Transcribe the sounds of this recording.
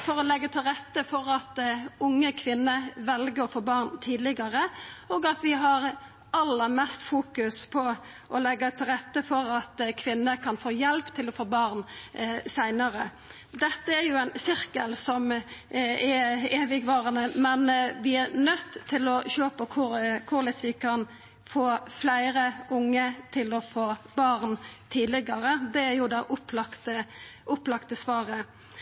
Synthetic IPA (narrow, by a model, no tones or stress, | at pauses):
fɔɾɔlɛɡːət̪ʰɪlɾɛt̪ːəfɔɾɑt̪ʊŋːəkʰʋɪnːəʋɛlɡəɾɔfoːbɑʁnt̪ʰiːd̪lɪɡɑɾəoːɡɑt̪ʋɪɦɑɾ | ɑlːəɾmɛst̪fuːkʉspʰɔ | ʔɔlɛɡːət̪ʰɪlɾɛt̪ːəfɔɾɑt̪kʰʋɪnːəkʰɑnfoːjɛlpt̪ʰɪlɔfoːbɑʁnsæɪnəɾə | d̪ɛt̪ːəæɾjʊæɪnsɪɾkəlsɔm | ɛeːʋɪɡʋɑːʁənəmɛnʋɪæɾnœt̪ʰːɪlɔçøːpɔkʰʊɾkʰʊɾlɪsʋɪkʰɑn | foːflæɪɾəʊŋːət̪ʰɪlɔfoːbɑʁnt̪ʰiːd̪lɪɡɑʁəd̪ɛæɾjʊd̪ɑːʔʊplɑkt̪əʔʊplɑkt̪əsʋɑːʁə